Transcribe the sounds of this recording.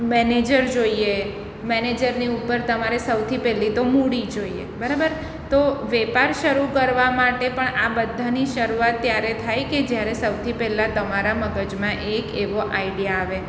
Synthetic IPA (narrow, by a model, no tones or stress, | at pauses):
mɛned͡ʒəɾd͡ʒoie | mɛned͡ʒəɾniupːəɾt̪əmaɾesəwt̪ʰipɛlːit̪omuɽid͡ʒoiḛbəɾabəɾ | t̪oʋɛpaɾʃəɾukəɾʋamaʈepəɳabəd̪ʱːaniʃəɾuat̪ːjaɾet̪ʰajked͡ʒjaɾesəwt̪ʰipɛlːat̪əmaɾaməɡəd͡ʒmãʔekeʋoʔaiɖijaːʋe